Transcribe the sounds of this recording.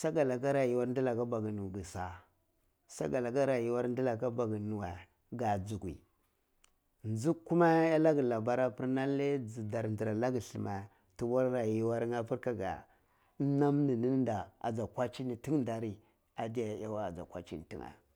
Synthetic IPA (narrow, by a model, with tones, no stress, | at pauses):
sa˦ɡa˨la˨ka˦ɾa˨ji˨wa˦ɾn˦di˦la˨ka˦ba˨ɡi˨nu˨ɡi˨sa˨ | sa̰˦ɡa˨la˨ka˦ɾa˨ji˦wa˦ɾn˦di˦la˨ka˦ba˨ɡi˨nu˨wa˨ | ɡa˨d͡zu˨kʷḭ˨ | nd͡zu˦kːu˦ma˦ja˦la˦ɡi˨la˨ba˦ɾa˦pi˦ɾna˦le˦d͡zi˨da˨ɾn˨di˨ɾa˨la˦ɡi˨ɬi˨ma˨ | tu˨wa˦ɾɾa˨ji˦wa˦ɾŋa˦pi˦ɾka˨ɡa̰˨˦ | na˦mni˨ni˦n˦n˦da˨a̰˨d͡za˨kʷa˦t͡ʃi˦ni˨ti˦ŋ˦nda˨ɾi˨ | a˨di˦ja˨ja˦wa˦a̰˨d͡za̰˨kʷa̰˦t͡ʃḭ˦n˨ti˦ŋa̰˨